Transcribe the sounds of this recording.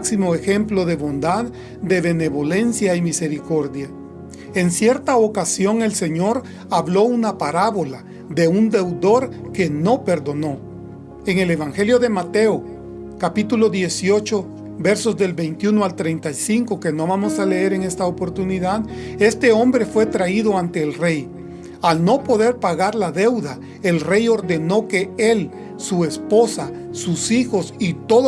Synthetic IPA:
ksimoexe̞mplo̞ðe̞βo̞nd̪að | d̪e̞βe̞ne̞βo̞le̞nsjaimise̞ɾiko̞ɾðja | e̞nsje̞ɾt̪aokasjo̞ŋe̞lse̞ɲo̞ɾ | aβlo̞unapaɾaβo̞la | ðe̞und̪e̞wd̪o̞ɾke̞no̞pe̞ɾd̪o̞no̞ | e̞ŋe̞le̞βaŋxe̞ljo̞ðe̞mat̪e̞o | kapit̪ulo̞ðje̞sjo̞t͡ʃo̞ | be̞ɾso̞zd̪e̞lbe̞jnt̪junoalt̪ɾejnt̪ajsiŋko̞ke̞no̞βamosale̞eɾeŋe̞st̪aopo̞ɾt̪uniðaðe̞st̪e̞o̞mbɾe̞fwe̞t̪ɾaiðo̞ant̪e̞ːlre̞j | alno̞po̞ðe̞ɾpaɣaɾlaðe̞wða | elre̞jo̞ɾðe̞no̞ke̞el | sue̞spo̞sasusixo̞sit̪o̞ð

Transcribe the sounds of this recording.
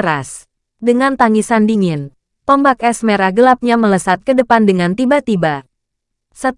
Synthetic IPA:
ɾas | dəŋant̪aŋisandiŋɪn | pəmbakɛsmeɾaɡəlap̚ɲamələsat̪̚kədəpandəŋant̪ibat̪iba | sət

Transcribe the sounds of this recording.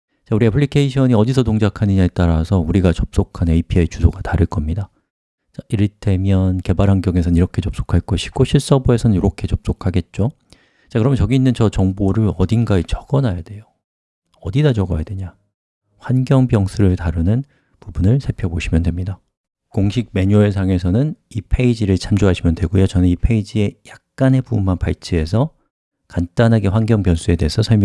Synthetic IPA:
t͡ɕauɾiapʰɯɭikʰeiɕʰʌɲiʌdisʰʌtoŋd͡ʑakʰanɯɲaet͈aɾasʰʌuɾiɡat͡ɕʌp̚s͈okʰaneipʰiejt͡ɕusʰoɡataɾɯɭk͈ʌmɲida | t͡ɕaiɾɯte̞mjʌnke̞baɾɦanɡjʌŋesʰʌnɯniɾʌkʰe̞t͡ɕʌp̚s͈o̥kʰaɭk͈ʌɕʰi̥ɡ̥oɕʰiɭs͈ʌboe̞sʰʌnɯnjoɾokʰe̞t͡ɕʌp̚s͈okʰaɡe̞t̚t͡ɕ͈o | t͡ɕ͈akɯɾʌmjʌt͡ɕʌɡiinːɯnt͡ɕʌt͡ɕʌŋboɾɯɭʌdinɡait͡ɕʌɡ̥ʌnajade̞jo | ʌdidad͡ʑʌɡʌjadwe̞ɲa | ɸwanɡjʌŋbjʌŋsʰuɾɯɭtaɾɯnɯn | pubunɯɭsʰepʰjʌboɕʰimjʌndwe̞mɲida | koŋɕʰik̚me̞ɲues̬ʰaŋe̞sʰʌnɯnipʰe̞id͡ʑiɾɯɭt͡ɕʰamd͡ʑoɦaɕʰimjʌndwe̞ɡojot͡ɕʌnɯnipʰe̞id͡ʑie̞jak̚k͈ane̞bubunmanpaɭt͡ɕʰie̞s̬ʰʌ | kant͈anɦaɡeɸwanɡjʌŋbjʌnsʰue̞de̞esʰʌsʰʌɭmj

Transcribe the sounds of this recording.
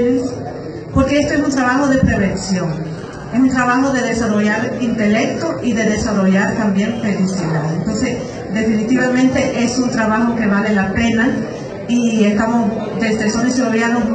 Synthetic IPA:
es | po̞ɾkeest̪oes̬unt̪ɾaβaxo̞ðe̞pɾe̞βe̞nsjo̞ŋ | esunt̪ɾaβaxo̞ðe̞ðe̞saro̞ʝaɾint̪e̞le̞k̚t̪oʔiðe̞ðe̞saro̞ʝaɾt̪ambje̞ɱfe̞lisiðaðent̪o̞nse̞s | d̪e̞finit̪iβamẽnt̪e̞ʔe̞sunt̪ɾaβaxo̞ke̞βale̞lape̞na | ie̞st̪amosd̪e̞sðesonesiβoβjanoz

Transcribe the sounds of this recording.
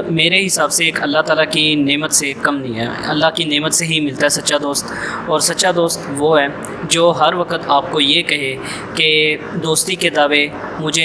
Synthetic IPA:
meːɾeɦɪsaːbseeːkʰɐlːaɦt̪aːlakineːmət̪sekɐmnɐɦĩɦɛ̰ːɐ̰lːaɦkineːmət̪seɦimɪlt̪aɦɛːsɐtːʃad̪oːst̪ɔːɾsɐtːʃad̪oːst̪ʋoɦɛː | d͡ʒoːɦɐɾʋɐkət̪aːp̚kojekɐɦe | ked̪oːst̪iked̪aːʋe | mʊd͡ʒʱe

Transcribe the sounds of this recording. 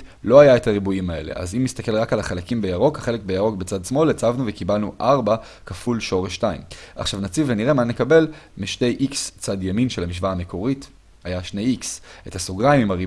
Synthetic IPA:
lo̞ajae̞taʁibuimae̞le̞̰ʔa̰zimːistake̞lʁakalaχalakimbejaʁo̞kaχe̞le̞k̚bejaʁo̞kbet͡sadsmo̞let͡savnuvekibalnuʔaʁba | kafulʃo̞ʁeʃtaḭmʔa̰χʃavnat͡sivveniʁemanekabe̞lmiʃte̞jʔikst͡sadjaminʃelamiʃvaame̞ko̞ʁit | ajaʃne̞jikse̞tasoɡʁaimimaʁi

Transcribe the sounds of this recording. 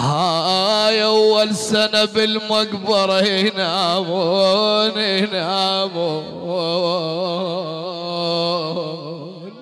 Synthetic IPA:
hajʔawːalsanabɪlmʊkbɑɾˤɑinaʕamoninaʕamo | n

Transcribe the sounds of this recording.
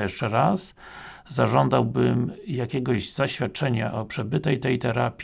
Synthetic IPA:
ɛʂt͡ʂɛɾas | zaʐɔnd̪awbɘmjakʲɛɡɔʑz̥aɕfʲjat̪̚t͡ʂɛɲaʔɔpʂɛbɘt̪ɛjt̪ɛjt̪ɛɾapʲ

